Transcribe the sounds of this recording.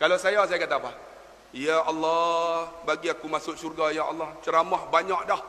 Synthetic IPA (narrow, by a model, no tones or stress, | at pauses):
kalawsajasajakat̪aːpa | jaɑlːɔbaɡiakumasʊʔsurɡajaɑ̰lːɔht͡ʃəɾamɔhbaɲaʔdɔh